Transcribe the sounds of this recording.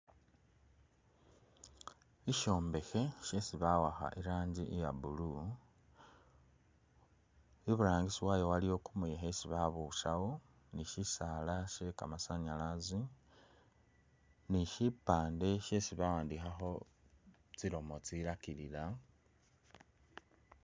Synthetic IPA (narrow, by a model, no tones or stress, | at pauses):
iʃo̞ːmbe̞xe̞ʃe̞siβawaxa̰ʔiɾaːɲɟiʔijabulu | iβuɾaːŋɡisiwajowalijo̞kumujexesiβaβuʃawo | niʃisalaʃekamasaɲalazi | niʃipaːnde̞ʃesiβawaːndixaxo̞ | t͡silo̞mot͡siɾakilila